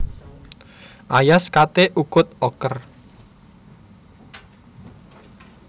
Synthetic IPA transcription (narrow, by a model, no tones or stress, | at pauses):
ʔajaskat̪eʔukʊt̪̚ɔkər